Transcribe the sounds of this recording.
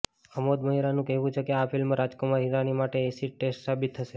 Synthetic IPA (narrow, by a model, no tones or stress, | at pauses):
əmod̪məɦiɾanũkɛɦʋũt͡ʃʰekeafʰilmːãɾad͡ʒkomaɦiɾanimaʈeːsiʈesʈsabit̪ʰːəʃe